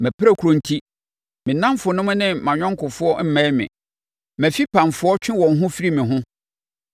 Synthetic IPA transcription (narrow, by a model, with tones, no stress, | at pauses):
mæ̃˨pʰɾa˦˨kʰu˨ɾõ˦n˨tʰi˦ | mɪ̃˨nã˦mfʊ˨nʊ̃˦mʊ̃˦nɪ̃˦mã˨ɲᶣɔ̃˦ŋ̩˦kʊ˨fʊ˦ɔ˦m̩˦mã˨˦mɪ̰̃˨ | mæ̃˨fi˦pʰã˨nfʊ˦ɔ˦t͡ɕᶣɪ̃˦wɔ̃˨n˦ɦʊ̃˦fi˦ɾi˦mɪ̃˨ɦʊ̃˦